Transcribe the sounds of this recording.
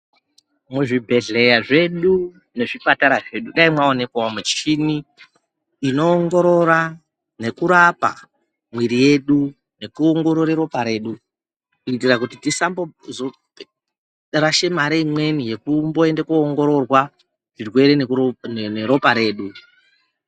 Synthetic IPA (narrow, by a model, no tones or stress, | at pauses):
muʐibʱe̞ɮe̞jaʐe̞ɗu | ne̞ʐipataɾaʐe̞ɗuɗaimwaone̞kwaomut͡ʃiniː | no̞ːŋɡo̞ɾo̞ɾa | ne̞kuɾapa̰ | mwiɾije̞ɗu | ne̞kuoŋɡo̞ɾo̞ɾeɾo̞paɾe̞ːɗu | kuitirakutitisambozo | raʃe̞maɾeimwe̞nije̞kumboe̞ndekuːŋɡo̞ɾo̞rwa | ʐ̥irwe̞ɾenenneɾo̞paɾe̞ːɗu